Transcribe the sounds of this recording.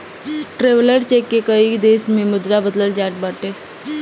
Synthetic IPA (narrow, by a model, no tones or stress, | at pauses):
ʈɾeːʋləɾt͡ʃeːkːekəid̪eːsmẽmʊd̪ɾabəd̪ləld͡ʒaːʈ̚baːʈeː